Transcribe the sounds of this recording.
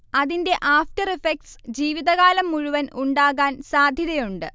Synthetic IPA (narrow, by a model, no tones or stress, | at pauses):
ɐðinde̞ʔaːfʈɐrefek̚ʈsd͡ʑiːʋiðɐɣaːlɐmːuɻuʋɐnuɳɖaːɣaːnsaːd̪ʱjiɾɐjuɳɖɨ